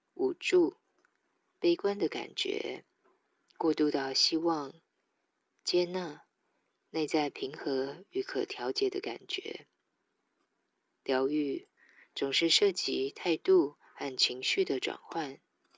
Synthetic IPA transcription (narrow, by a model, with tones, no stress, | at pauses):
u˨˩ʈ͡ʂu˥˩˧ | pe˥ɪkwa˥nd̪ə˨ka̰˨˩nt͡ɕɥɛ̰˧˥˦ | kwɔ˥˧t̪u˥˧t̪ɑ˥˩ʊɕi˥wɑ˥˧ŋ | t͡ɕjɛ˥˧na˥˩ | ne˥˧ɪt͡sa˥˩ɪpʰi˧˥ŋxɤ˧˥y˧˥kʰɤ˨˩t̪ʰjɑ˧˥ʊt͡ɕjɛ˨˩d̪ə˦ka̰˨˩nt͡ɕɥɛ̰˧˥ | ljɑ˧˥ʊy˥˩ | t͡sʊ˨˩ŋʂɻ̩˥˧ʂɤ˥˩t͡ɕi˧˥t̪ʰa˥˧ɪt̪u˥˧ | xa˥˩nt͡ɕʰi˧˥ŋɕy˥˩d̪ə˩ʈ͡ʂwa̰˨˩nxwa˥˩n